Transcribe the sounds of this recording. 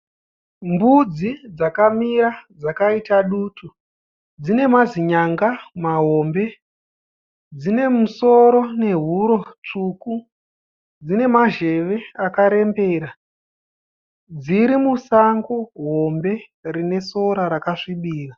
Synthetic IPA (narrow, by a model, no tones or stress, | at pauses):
mbud͡zid͡zakamiɾad͡zakaitaɗuːtʰu | d͡zine̞maziɲaŋɡamaɦo̞mbe̞ | d͡zine̞muso̞ɾo̞ne̞ɦuɾo̞t͡ʂuku | d͡zine̞maʒe̞ʋe̞akaɾe̞mbe̞ɾa | d͡ziɾimusaŋɡoɦo̞mbe̞ | rine̞so̞ɾaɾakaʂiɓiːra